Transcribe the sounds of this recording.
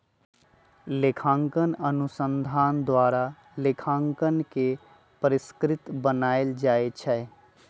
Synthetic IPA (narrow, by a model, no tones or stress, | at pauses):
lekʰãŋkənənusənd̪ʱaːnd̪waɾa | lekʰãŋkənke | pəɾiskɾɪt̪bənaɪld͡ʒaet͡ʃʰɛ